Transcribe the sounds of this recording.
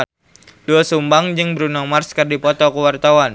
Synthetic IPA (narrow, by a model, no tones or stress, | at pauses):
duasumbaŋd͡ʒɨŋbəɾunaŋmarskərdipɔt̪ɔkuwart̪awan